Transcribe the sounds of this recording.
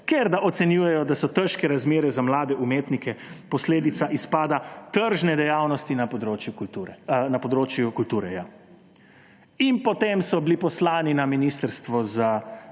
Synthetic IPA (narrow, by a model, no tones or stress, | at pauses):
keɾd̪aʔɔt̪sɛnjuːjɛjɔd̪asɔt̪əʃkɛɾazmeːɾɛzamlaːd̪ɛumeːt̪nikɛpɔsleːd̪it̪saʔispaːd̪at̪əɾʒnɛd̪ɛjaːwnɔst̪inapd̪ɾoːt͡ʃjukt̪uɛnapɔd̪ɾoːt͡ʃjukult̪uːɾɛja | inpɔt̪emsɔbilipɔslaːninaminist̪əɾst̪ʋɔza